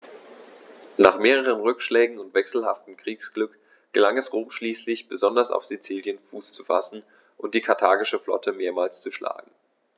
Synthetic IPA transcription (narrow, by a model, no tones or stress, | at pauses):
naːχmeːʁ̞əʁ̞ənʁʏkʃlɛːɡŋ̩ʊntv̥ɛksl̩ha̰ftəm̩kʁ̥iːksɡ̥lʏk | ɡ̥əlaŋɛsʁoːmʃliːslɪçb̥əzɔndɐsa̰ʊfz̥it͡siːljənfuːst͡su̥fa̰sn̩ | ʔʊnt̚d̥iːkʰaɐtʰaːɡɪʃəflɔ̰tʰəmeːɐmaːlst͡suʃla̰ːɡŋ̩